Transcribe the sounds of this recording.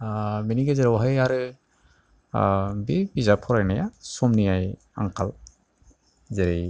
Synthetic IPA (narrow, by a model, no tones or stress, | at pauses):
miniɡezɛɾwɦajaɾɯ | bibizapʰɔɾajnajasɔmnijaj | a̰ŋkʰal | zɛɾej